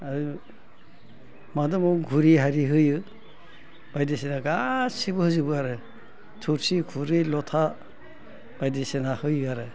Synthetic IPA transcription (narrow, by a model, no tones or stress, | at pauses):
a | madɯmɔwɡʱuɾiɦaɾiɦɯjɯ | b̥ajdesenaɡasibɯhɯzɯbɯaɾɯ | tʰuɾsikʰuɾilɔtʰa | b̥ajdesenahɯjɯaɾɯ